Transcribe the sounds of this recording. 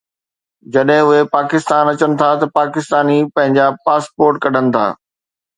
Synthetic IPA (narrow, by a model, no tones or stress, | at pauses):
d͡ʑɐɗɦɪ̃ʊɦepaːkɪst̪aːnɐt͡ɕənɪ̆t̪ʰat̪ɐpaːkɪst̪aːnipɐ̃ɦɪ̃ɲd͡ʑapaːspoːɾʈkɐɖ̤ʱənɪ̆t̪ʰa̰ː